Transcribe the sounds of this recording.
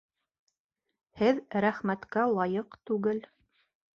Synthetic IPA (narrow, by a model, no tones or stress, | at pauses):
hɘðɾæχmæt̪kælˠɑjɤqt̪ʉɡɘl